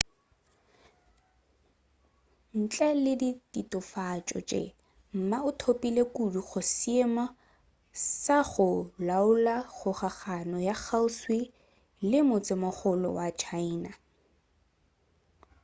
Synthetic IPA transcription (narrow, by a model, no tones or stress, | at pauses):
n̩t͡ɬʼalɪditʼitʼʊfat͡ʃʼɔ̰t͡ʃʼḛ | m̩maʊtʰopʼilekuduχʊsɪemɔ | saχʊlaʊlaχʊχaχanɔjak͡xaʊswi | lɪmʊt͡sʼɪmʊχʊlɔ̰wat͡ʃʰaina